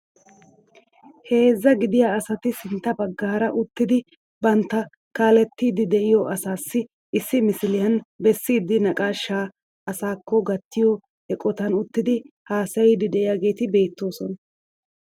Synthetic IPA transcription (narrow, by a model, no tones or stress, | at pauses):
he̞ːzːɐɡɪd̪ɪjaːɐsɐt̪ɪsɪnt̪ːɐbɐɡːaːɾɐʔʊt̪ːɪd̪ɪ | bɐnt̪ːɐ | kaːlɛt̪ːiːd̪ɪd̪ɛʔɪjɔʔɐsaːsːɪ | ɪsːɪmɪsɪlɪjɐnbɛsːiːd̪ːɪnɐkʼaːʃːaː | ɐsaːkːɔɡɐt̪ːɪjɔ | ɛkʼɔt̪ɐnʊt̪ːɪd̪ɪhaːsɐjɪd̪ɪd̪ɛʔɪjaːɡe̞ːt̪ɪbe̞ːt̪ːo̞ːsɔnɐ